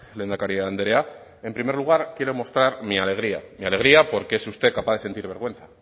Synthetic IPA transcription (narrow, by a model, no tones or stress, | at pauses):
le̞nd̪akaɾiand̪eɾe̞a | e̞mpɾime̞ɾluɣ̞aɾkje̞ɾo̞mo̞st̪ɾaɾmiale̞ɣ̞ɾia̰miale̞ɣ̞ɾiapo̞ɾkeesust̪e̞kapaðee̞nt̪iɾβ̞e̞ɾɣ̞we̞nθḁ